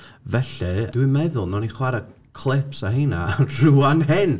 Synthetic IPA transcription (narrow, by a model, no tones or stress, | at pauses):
vɛɬɨd̥wɨmɛðʊlˠnɔniχwaɾa | kʰlˠɪpsahiːna̰r̥uːanhɪn